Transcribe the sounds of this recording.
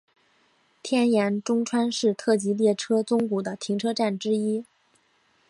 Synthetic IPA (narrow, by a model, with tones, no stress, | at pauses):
t̪ʰjɛ˥˩njɛ˧˥nʈ͡ʂʊ˥ŋʈ͡ʂʰwa˥nʂɻ̩˥˧t̪ʰɤ˥˩t͡ɕi˧˥ljɛ˥˩ʈ͡ʂʰɤ˥t͡sʊ˥ŋku˨˩d̪ə˦t̪ʰi˧˥ŋʈ͡ʂʰɤ˥ʈ͡ʂa˥˩nʈ͡ʂɻ̩˥i˥